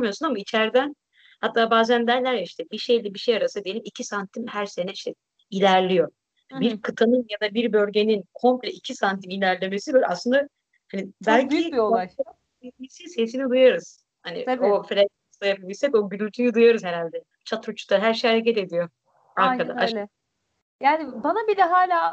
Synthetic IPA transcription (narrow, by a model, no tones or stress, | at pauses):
mijosunamait͡ʃʰæɾd̪æn | hat̪ʰːaːbaːzænd̪æɾlʲæɾjaiʃt̪ʰɛbiʃe̞jlʲɛbiʃejaɾasɯd̪ijelʲimicʰisant̪ʰimhæɾse̞nɛiʃt̪ɛ | ilʲæɾlʲijo̞ | biɾkʰɯt̪ʰanɯnjad̪abiɾbø̞lʲɟe̞ninkʰo̞mplʲɛicʰisant̪ʰimilʲæɾlʲe̞me̞sid̪aɾa̰slɯnd̪a | hanibælʲcibiolˠaa | imisise̞s̬inid̪ɯjaɾɯz̥ | hanḭoflʲeaslajapabiʃʲsɛko̞ɟyɾylʲt̪ʰyjyd̪ɯjaɾɯzheɾalʲd̪ɛ | t͡ʃʰat̪ɾut͡ʃʰu̥kt̪aɦæɾʃejhaɾec̬ɛt̪e̞d̪ijo̞ | aɾkad̪a̰at͡ʃ | jaːnɪbanabilɛɦaːlʲaː